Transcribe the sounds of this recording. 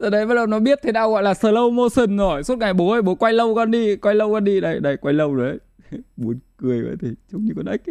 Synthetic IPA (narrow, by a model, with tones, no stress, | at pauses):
t̪əː˨˩ɗə˨˦jɓa˨˦lə˨˩nɔ˨˦ɓi˦˥ət̚t̪ʰe˨˦ɗaː˧wɣɔ̰˧˨jlaː˨˩səː˨˩lə˧wmo˧sə˨˩nzɔ˨˧˩jsu˦˥t̚ŋa˨˩jɓo˨˦hə˧˩jɓo˨˦kwa˧jlə˧wkɔ˧nɗi˧kwa˧jlə˧wkɔ˧nɗi˧ɗa˧˩ɗa˨˧˩kwa˧jlə˧wzo˨˩jʔə˨˦j | ɓu˨˦ənkɨ˨˩əjvə̰˧˨jt̪ʰi˨˩t͡ɕʊ˧˦ŋ͡mɲɨ˧kɔ˨˦nʔa˦˥k̚